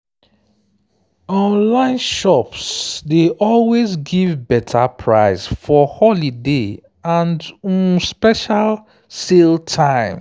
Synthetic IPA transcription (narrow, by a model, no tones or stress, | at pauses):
ɔ̃nlãɪ̃nʃɔpsdeʔɔlwezɡivbɛtʰapʰɹa̰ɪsfɔhɔlide | ãnd̩spɛʃal | seltʰãɪ̃m